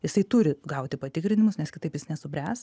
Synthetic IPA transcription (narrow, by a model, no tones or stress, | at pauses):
jɪsɐɪt̪ʊɾʲɪɡɐʊt̪ʲɪpɐt̪ʲɪkɾʲɪnʲɪmʊsnʲɛskʲɪt̪ɐɪpjɪsnʲɛsʊbʲɾʲæːs